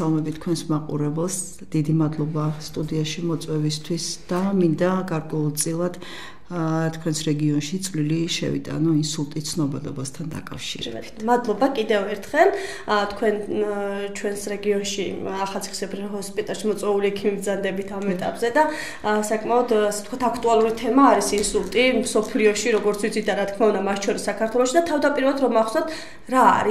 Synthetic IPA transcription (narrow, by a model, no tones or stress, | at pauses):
alˠɔmɛbit̪̚ʰːkʰwɛnsmaqʼṵɾɛbɛlˠs | d̪̥id̪imad̪lˠɔbast̪ʼud̪iaʃimɔt̪sʼwɛvist̪ʰwisd̪̥amind̪aɡaɾkʼwɛulˠt̪sʼilˠad̪̥ | t̪ʰkʰwɛnsɾɛɡiɔnʃit̪sʼvliliʃɛ̰vḭt̪ʼa̰nɔinsulˠt̪ʼit̪sʰnɔbɛd̪ɔbast̪ʰand̪a̰kʼa̰fʃḭɾɛb̰bit̪mad̪lˠɔbakʼid̪ɛvɛɾt̪ʰχɛlˠ | t̪ʰkʰwɛn | t͡ʃʰwɛnsɾɛɡiɔnʃiaχalˠt̪sʰi̥χi̥sɛbɾiɦɔspʼit̪ʼalˠʃimɔt̪sʼwɛuliɛkʰimib̪zand̪ɛbit̪ʰamɛt̪ʼapʼzɛd̪a | sakʼmaɔd̪asɛ̥t̪kwat̪ʰakʰt̪ʼualˠuɾit̪ʰɛmaːɾisinsulˠt̪ʼimsɔpʰliɔʃiɾɔɡɔɾt̪sʰwit̪sʰid̪aɾat̪kʰmaund̪amat̪ʰt͡ʃʰɔɾisːakʰaɾt̪ʰwɛlˠɔʃid̪at̪ʰavd̪apʼiɾvɛlˠad̪ɾɔmaχsat̪ʰ | ɾa̰ːɾi